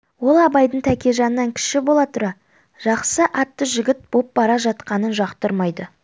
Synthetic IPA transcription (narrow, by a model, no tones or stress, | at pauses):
wo̞lˠɑbɑjd̪əɴt̪ʰækʲe̞ʒɑnəːɑŋkʲʰɪ̥ʃɪbo̞lˠɑt̪ʰʊɾɑ | ʒ̥ɑqsəʔɑt̪ːəʒɪɡʲɪt̪̚bo̞p̚bɑɾɑʒɑt̪qɑnənʒɑqt̪əɾmɑjd̪ə